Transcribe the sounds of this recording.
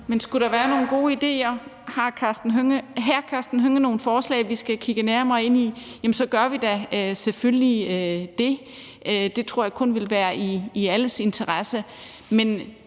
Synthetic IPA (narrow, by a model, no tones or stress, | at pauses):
mensɡ̥uɾ̥ɑ̈ʋæːɐno̝ːn̩ɡ̥o̝̰ːid̥e̝̰ːɐhɑ̈kʰɑsd̥n̩ɦøŋəɦæɐ̰kʰæɐsd̥n̩ɦøŋəno̝ːn̩fɒːslɛ̰ːɪʋisɡ̥ækʰiɡ̥ənæɐmɑ̈ɪe̝n̰ijæmn̩sɒ̽ɡ̥ɶɐʋid̥æøselfølliød̥e̝ | ʔød̥e̝t͡sʰʁo̰ɐ̰jɑ̈kʰɔ̽nʋe̝lʋæːɐiːæləse̝nt͡sʰɐʁɑsə | men